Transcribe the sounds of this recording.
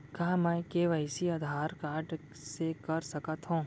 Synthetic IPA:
kaːmɛkeːʋəɪsiaːd̪ʱaːɾkaːɾɖ | sekɐɾsɐkət̪ɦõː

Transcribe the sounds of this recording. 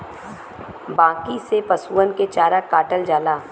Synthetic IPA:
bãːkisepɐsuːənket͡ʃaːɾakaːʈəld͡ʒaːlaː

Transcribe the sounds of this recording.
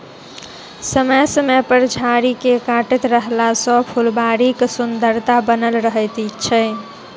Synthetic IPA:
səməsəmepəɾd͡ʒʱaɾikekaʈet̪ɾəɦlasɔ̃pʰulbaɾiksund̪əɾt̪abənəlɾəɦəjt̪it͡ʃʰə

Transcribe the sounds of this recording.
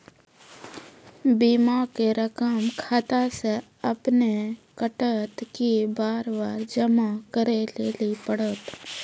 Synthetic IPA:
biːmakeɾəkəmkʰaːt̪ase | ɐpnekəʈət̪kibaːɾbaːɾd͡ʒəmakəɾelelipəɽət̪

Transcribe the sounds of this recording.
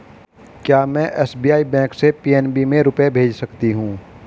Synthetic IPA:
kjaːmɛ̃ʔɛːsbiːaːibɛ̃ːksepiːɛnbimẽɾʊpebʱeːd͡ʒsɐkt̪iɦũː

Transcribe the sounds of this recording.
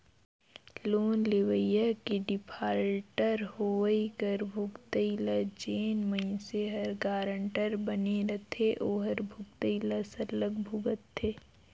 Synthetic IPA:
loːnleʋəjəkiɖɪpʰaːɾʈəɾhoʋəikəɾbʱʊɡt̪əilad͡ʒeːnməiseɦɐɾɡaːɾəɳʈəɾbəneɾɐt̪ʰeʔoːɦəɾbʱʊɡt̪əilasɐləɡbʱʊɡət̪ːeː

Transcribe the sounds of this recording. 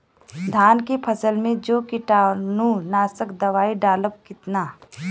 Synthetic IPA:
d̪ʱaːnkepʰəsəlmẽd͡ʒoːkɪʈaːnunaːsəkd̪ɐʋaːiɖaːləb̚kɪt̪naː

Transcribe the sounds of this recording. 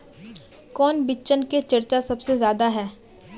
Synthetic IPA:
kɔːnbɪːt͡ʃənket͡ʃɐɾt͡ʃasɐbsezjaːd̪aɦɛː

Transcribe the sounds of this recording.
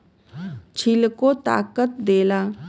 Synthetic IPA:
t͡ʃʰɪlkot̪a̰ːkət̪̚d̪eːlaː

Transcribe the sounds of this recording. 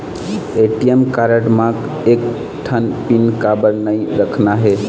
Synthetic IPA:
eʈijemkaɾəʈmãk | ek̚ | ʈʰənpinkabəɾnəjɾəkʰnaɦe

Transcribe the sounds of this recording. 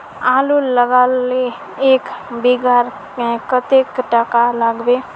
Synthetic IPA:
aluləɡalːe | eːkbiɡaɾ | kət̪ekʈəkaləɡbe

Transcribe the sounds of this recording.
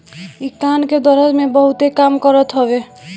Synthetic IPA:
ik̚t̪anked̪əɾəd͡ʒmebəɦut̪ekamkɔɾət̪ɦɔbe

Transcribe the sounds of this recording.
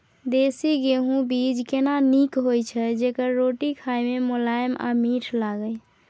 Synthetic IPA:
d̪esiɡeɦũbid͡ʒkenanikɦojt͡ʃʰɛd͡ʒekəɾːoʈikʰajmemolajma̰miʈʰlaɡəj

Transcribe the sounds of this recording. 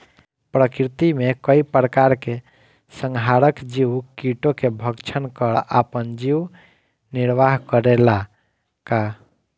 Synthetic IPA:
pɾəkɾit̪imekəipɾəkaɾke | səŋɡʱɦaɾəkd͡ʒiwkiʈokebʱəɡt͡ʃʰənkəɾapənd͡ʒiw | niɾʋaɦkəɾela | ka

